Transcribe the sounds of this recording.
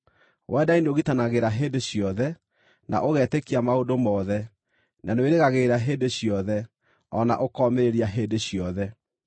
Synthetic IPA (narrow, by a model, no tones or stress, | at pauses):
wʔɛːdaindeoɣitanaɣeɾaɦeːndeɕjɔðɛ | nʔa̰ʔoɣɛtekiamaodomɔðɛ | nanweɾeɣaɣeɾaɦeːdeɕjɔðɛ | ɔna̰ʔokɔmeɾeɾiaɦeːndeɕjɔðɛ